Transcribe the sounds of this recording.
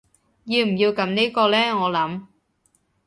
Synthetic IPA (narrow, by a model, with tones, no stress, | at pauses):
jiː˧wm̩˨˩jiː˧wkɐ˨˧˥mniː˥kɔː˧lɛː˥ŋɔː˨˧lɐ˨˥m